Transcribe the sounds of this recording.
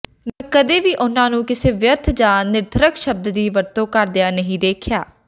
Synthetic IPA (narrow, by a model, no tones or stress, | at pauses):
mɛ̃ːkəd̪eːʋiːʔʊnãːnũːkɪseːʋjəɾt̪ʰd͡ʒãːnɪɾt̪ʰəɾəkʃəb̚d̪d̪iːʋəɾt̪õːkəɾd̪ejaːnəɦĩːd̪eːkʰjaː